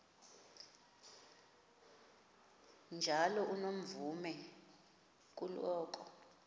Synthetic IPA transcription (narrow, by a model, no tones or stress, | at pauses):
nd͡ʒʱalɔʔunom̩vumɛ | k̬ʼulɔːk̬ʼɔ